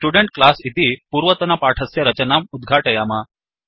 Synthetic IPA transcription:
sʈuɽeɳʈ̚klasit̪ipuːɾʋət̪ɐnapaʈʰəsjaɾət͡ɕənamud̪ɡʱaʈejama

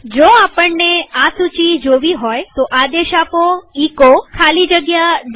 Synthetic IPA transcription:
d͡ʒoapəɳːeasut͡ʃid͡ʒoʋiɦojt̪oʔad̪eʃapoikokʰalid͡ʒəɡjad̪

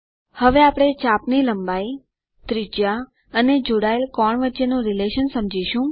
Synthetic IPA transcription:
həʋeapɽ̃et͡ʃapniləmbai | t̪ɾid͡ʒa | əned͡ʒoɽaelkɔɳʋətːʃenũɾileʃənsəmd͡ʒiʃũ

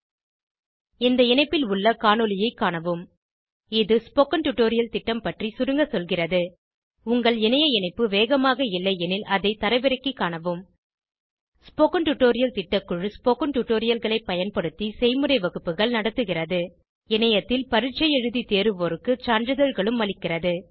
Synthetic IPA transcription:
ɪnd̪ɐɪnɐɪpːɪlʊɭːɐkaːɳɔlɪjɐɪkːaːɳɐʋɯm | ɪðɯspoːkɐnʈʊʈːoːɾɪjɐlt̪ɪʈːɐmpɐʈrisʊɾɯŋɡɐsɔlɣɪrɐðɯ | ʊŋɡɐɭɛnɐjɐɪnɐɪpːɯʋeːɣɐmaːɣɐɪlːɐjɛnɪlʔɐðɐɪt̪ɐɾɐɪʋɪɾɐkːikːaːɳɐʋɯm | spoːkɐnʈʊʈːoːɾɪjɐlt̪ɪʈːɐkːɯɻɯspoːkɐnʈʊʈːoːɾɪjɐlɣɐɭɐɪpːɐjɐnpɐɽɯt̪ːisɛɪmɯɾɐɪʋɐɣɯpːɯɣɐɭnɐɽɐt̪ːɯɣɪrɐðɯ | ɛnɐjɐt̪ːɪlpɐɾɪt͡ʃːɐjɛɻɯðit̪eːɾɯʋɔɾɯkːɯt͡ʃaːɳdɾɯðɐɻɣɐɭɯmːɐɭɪkːɪrɐðɯ

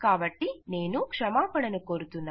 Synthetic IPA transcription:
kaːbɐʈːineːnukʂɐmaːpɐɽɐnukoɾut̪unːa

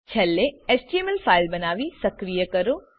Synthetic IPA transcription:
t͡ʃʰɐlːeɛːsʈiemɛlfʰaːɪlbɐnaːʋisɐkɾijəkɐɾoː

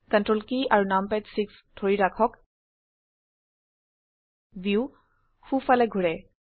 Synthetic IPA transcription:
kɛntɹɔlkiaɹunampɛtsikstʰoɹiɹakʰɔk | biw | xufalɛɡʱuɹɛ

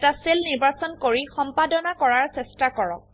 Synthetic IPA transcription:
taselniɹbasɔnkoɹixɔmpadɔnakɔɹaɹsɛstakɔɹɔ̰k̚

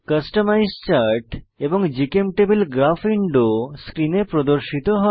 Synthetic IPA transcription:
kəsʈomajzt͡ɕaɾʈeboŋd͡ʑikemʈebelɡɾafʰiɳɖoskɾinepɾod̪oɾʃit̪oɦɔ

